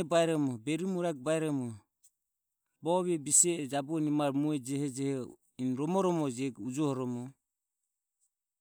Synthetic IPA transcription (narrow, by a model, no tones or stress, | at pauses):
ɛbaɛɾɔmɔbɛɾiumuɾak̚baɛɾɔmɔ | bɔβɛbisɛɛd͡ʒabuɔnimaɾmuɛd͡ʒɛhɛd͡ʒɛhɛ | inɾɔmɔɾɔmɔd͡ʒɛɡud͡ʒɔhɔɾɔmɔ